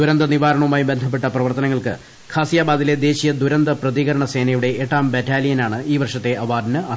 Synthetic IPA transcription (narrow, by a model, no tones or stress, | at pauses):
d̪uɾɐnd̪ɐniʋaːɾɐɳɐʋumaːjumbe̞nd̪ʱɐp̬ːe̞ʈːɐprɐʋɐrt̪ɐnɐŋːɐɭkɨ | kʰaːsijaːbaːd̪ile̞d̪e̞ːɕijɐd̪uɾɐnd̪ɐprɐðiɣɐɾɐɳɐse̞ːnɐjuɽe̞ʔːʈːaːmbetːaːlijɐnaːɳɨʔiːʋɐrʂɐt̪ːe̞ʔɐʋaːd̪nɨɐ